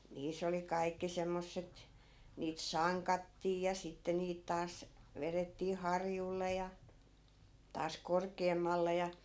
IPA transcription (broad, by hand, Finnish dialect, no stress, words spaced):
niːsˑ oli kɑi̯kːi semːosːet niːt sɑŋkɑtːiː jɑ sitːe niːt tɑːs ʋeretːiː hɑrjulːe jɑ tɑːs korkeːmːɑlːe jɑ